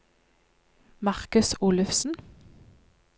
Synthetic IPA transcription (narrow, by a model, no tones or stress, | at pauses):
mɑʁkʉsuːlʉfsn̩